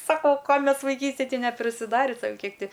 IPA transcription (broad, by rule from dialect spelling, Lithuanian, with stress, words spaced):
ˈsɑːkoː ˈkoː ˈmʲɛs ʋɐɪˈkʲiːsʲtʲeːj ˈtʲɪ nʲɛpʲrʲɪsʲɪˈdɑːrʲɪ ˈsɐʊ ˈkʲiɛk ˈtʲɪ